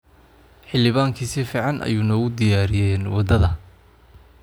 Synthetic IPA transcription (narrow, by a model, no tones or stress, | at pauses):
ħɪlɪβaːŋkʰiːsifiːʕɑnʔɐ̰juːnɔːʊd̪ɪjaːɾɪjɛːnwɑd̪ɐðɐ